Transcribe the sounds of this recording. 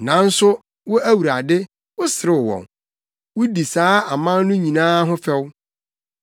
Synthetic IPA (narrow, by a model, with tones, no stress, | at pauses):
nã˨n̩˦sʊ˦ | wɔ˦æ˦wu˨ɾa˨dɪ˦ | wʊ˦sɪ˨ɾɪ˦˨wɔ̰̃˨n | wʊ˦di˨saː˦a˨mã˦nnʊ̃˦ɲĩ˨nãː˦ɦʊ̃˦fɛ˦w